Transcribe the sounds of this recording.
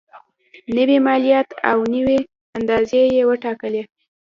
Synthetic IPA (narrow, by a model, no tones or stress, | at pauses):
nəwimɑlijɑt̪ʰa̰wnəwe | and̪ɑzejewəʈɑkəle